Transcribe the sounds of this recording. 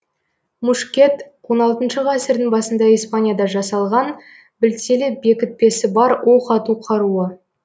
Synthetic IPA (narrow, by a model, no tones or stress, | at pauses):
muʃkʲe̞t̪wo̞nɑlˠt̪ənʃəʁæsɪɾd̪ɪŋbɑsənd̪ɑijspanʲjad̪ɑʒɑsɑlˠʁɑn | bɪlselɪbe̞kʲɪt̪̚pe̞sɪbɑɾwoqʰɑt̪uqʰɑɾuə